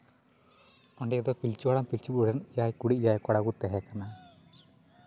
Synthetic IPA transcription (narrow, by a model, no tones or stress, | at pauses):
ɔɳɖɛɛd̪ɔpilt͡ʃiaɽampilt͡ʃibuɽɛnjajkuɽijajkɔɽaɡut̪ɛɦɛkana